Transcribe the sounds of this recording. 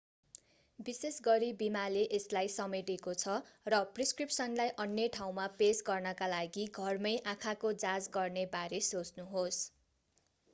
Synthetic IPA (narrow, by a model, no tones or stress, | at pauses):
bisesɡʌɾibimaleʔeslajsʌmeʈekot͡sʰʌrʌpriskripsʌnlajʔʌnjʌʈʰaw̃mapesɡʌrnʌkalaɡiɡʱʌrmʌjʔãkʰakod͡zad͡zɡʌrnebaɾesot͡snuɦos